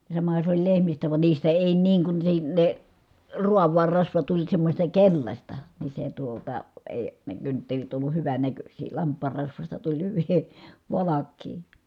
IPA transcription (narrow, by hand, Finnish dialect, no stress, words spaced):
jɑ sɑmɑhɑ sĕ olʲ lehmistæ ʋɑn niːstæ eˑi niːŋ kun se ne ruɑʋˑɑːr rɑsʋɑ tulʲ semːosʲtɑ kelʲlɑsʲtɑ ni se tuotɑ eˑi ne kyntːelit olːuh hyʋænækøsʲiː lɑmpˑɑːr rɑsʋɑstɑ tulʲ hyʋi ʋɑlɑkːiː